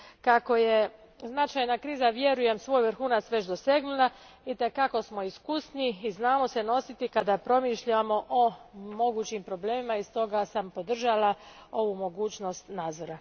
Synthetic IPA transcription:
kako̞je̞ | znat͡ʃajnakɾiːzaʋje̞ɾuje̞msʋo̞ːjʋr̩xuːnat̪sʋe̞t͡ʃd̪o̞se̞ɡnula | it̪e̞kako̞smo̞iskusniːznaːmo̞seno̞sit̪ikad̪apɾo̞miʃʎamo̞ʔomo̞ɡuːt͡ɕimpɾo̞ble̞ːmimaist̪o̞ɡasampo̞d̪r̩ʒalao̞ʋumo̞ɡuːt͡ɕno̞st̪naːd̪zo̞ɾa

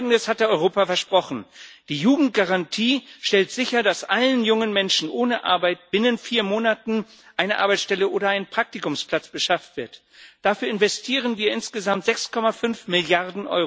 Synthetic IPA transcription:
ɡŋ̩dəshat̚d̥əɔʏʁoːpafɛɐʃpʁ̥ɔχn̩d̥iːjuːɡŋ̩t̚ɡ̥aʁantʰiːʃtɛltz̥ɪçɐdasʔalənjʊŋənmɛnʃn̩ʔoːnəʔa̰ɐbaɪt̚b̥ɪnənfiːɐmoːnatn̩ | ʔaɪnəʔa̰ɐbaɪt͡ssʃtɛləʔoːɾɐʔaɪnənpʁ̥ak̚tikʊmspl̥at͡sb̥əʃaftv̥ɪɐt | d̥afyːɐɪnvɛstʰiːʁ̞ənviːɐɪnsɡ̥əzamtz̥ɛkskʰɔmafʏnfmɪljaʁdn̩ʔɔ̰ʏ

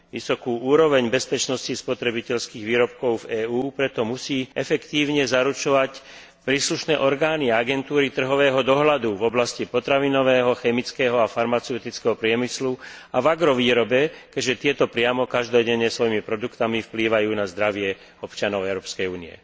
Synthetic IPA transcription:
ʋḭsɔkuːuːɾɔʋɛɲbɛspɛt͡ʃnɔscispɔt̪ɾɛbicɛʎskiːɣʋiːɾɔp̚kɔʊvɛːuːpɾɛt̪ɔmusiːɛfɛkt̪iːʊɲɛzaɾut͡ʃɔʋac | pɾiːsluʃnɛ̰ːʔɔɾɡaːniaaɡɛnt̪uːɾit̪r̩ɦɔʋɛːɦɔd̪ɔɦlad̪uvɔblascipɔt̪ɾaʋinɔʋɛːɦɔxɛmit͡skɛːɦɔafaɾmat͡sɛʊt̪it͡skɛɦɔpɾɪɛmisluavaɡɾɔʋiːɾɔbɛkɛʒɛt̪ɪɛt̪ɔpɾɪamɔkaʒd̪ɔɟɛɲːɛsʋɔjimipɾɔd̪ukt̪amifpliːʋajuːnazd̪ɾaʋɪɛ | ɔpt͡ʃanɔʊɛʊɾɔːpskɛjuːniɛ̰

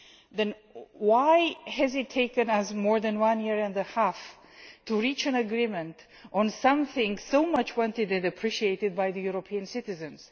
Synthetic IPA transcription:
ðɨ̃nwaɪɨzɨtʰeɪkɨ̃nəzmɔɹðɨ̃nwʌ̃njɪɹɨ̃ndəhæf | tʰɨɹit͡ʃɨ̃nɨɡɹimɨ̃nt | ʔə̃nsʌ̃mθɪ̃ŋsoʊmʌt͡ʃwɑ̃ntɨdɨ̃nɨpʰɹ̥iʃieɪɾɨd̚baɪðɨjuɹopʰiɨ̃nsɪɾɨzɨ̃nz̥

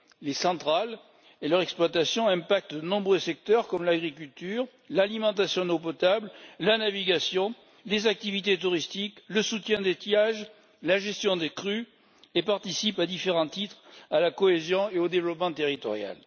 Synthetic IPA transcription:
lesɑ̃t̪χal | elœʁɛksplwat̪asjɔ̃ɛ̃pak̚t̪d̪ənɔ̃bʁøsɛk̚t̪œʁkɔmlaɡʁikʲylt̪yʁ | lalimɑ̃t̪̬asjɔ̃nop̬ɔt̪abllanaviɡasjɔ̃ | lezak̚t̪ivit̪et̪uʁist̪ikləsut̪jɛ̃d̪et̪jaʒ | laʒɛst̪jɔ̃d̪ekχy | epaʁt̪isipad̪ifeʁɑ̃t̪it̪χalakɔezjɔ̃eod̪evlɔpmɑ̃t̪eʁit̪ɔ̰ʁja̰l

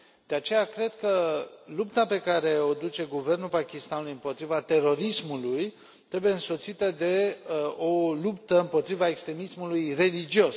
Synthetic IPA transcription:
d̪̥e̞at͡ʃe̞jakɾe̞d̪kəlupt̪ape̞kaɾe̞od̪ut͡ʃe̞ɡuve̞rnulpakʲist̪anulujɨmpo̞t̪ɾivat̪e̞ɾo̞ɾismuluj | t̪ɾe̞buje̞ɨnso̞t̪sit̪əd̪e̞olupt̪əɨmpo̞t̪ɾivaekst̪ɾe̞mismulujre̞lid͡ʒio̞s

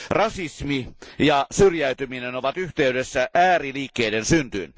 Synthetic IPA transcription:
rɑsismijɑsyrjæyt̪yminenoʋɑt̪yht̪eydesːæʔæːriliːkːeidensynt̪y̰n

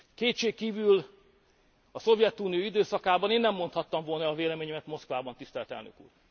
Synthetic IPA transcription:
keːt̪ʃeːkːiːvyl | ɒso̞vjɛt̪ːunioid̪øːsɒkaːbɒneːnːɛmːo̞nt̪hɒt̪ːɒɱvo̞lnɒːveːlɛmeːɲɛmɛt̪mo̞skʋvaːbɒnt̪ist̪ɛlɛt̪ɛ̰lnø̰kṵːr

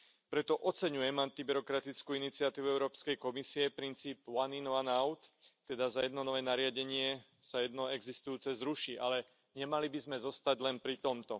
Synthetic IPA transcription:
pɾɛt̪ɔʔɔt͡sɛɲujɛmant̪ibiɾɔkɾat̪it͡skuinit͡siat̪iːʋuɛʊɾɔːpskɛjkɔmisiɛpɾint͡siːpʊaninɔʋanaʊt̪ː | ɛd̪azajɛd̪nɔnɔʋɛːnaɾɪaɟɛɲɪɛ | sajɛd̪nɔɛɡzist̪ujuːt͡sɛzɾuʃiʔalɛ | ɲɛmalibizmɛzɔst̪aɟlɛnpɾit̪ɔmt̪ɔ

